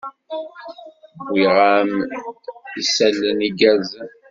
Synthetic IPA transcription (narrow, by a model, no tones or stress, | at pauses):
wiʁam | isælːəniɡæz